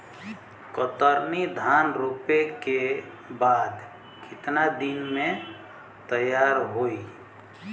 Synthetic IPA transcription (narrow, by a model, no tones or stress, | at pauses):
kət̪əɾnid̪ʱanɾupeke | bad̪ | kɪt̪nad̪inmẽ | t̪əjaɾɦoi